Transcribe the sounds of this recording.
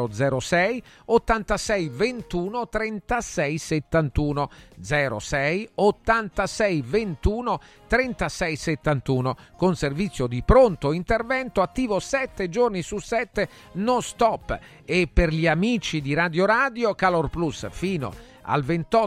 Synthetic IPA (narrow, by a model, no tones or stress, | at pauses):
od̪zɛːɾosɛjot̪ːant̪asɛjvent̪uːnot̪ɾɛnt̪asɛjset̪ːant̪uːnod̪zɛːɾo̰sɛjot̪ːant̪asɛjvent̪uːno | t̪ɾɛnt̪asɛjset̪ːant̪uːnokonservit̪sːjod̪ipɾont̪oint̪ervɛnt̪oat̪ːiːvosɛt̪ːed͡ʒornisusɛt̪ːe | nɔst̪ɔpː | epːerʎiamiːt͡ʃid̪iɾad̪joɾaːd̪jokalorplusfiːno̰ | a̰lvent̪ɔ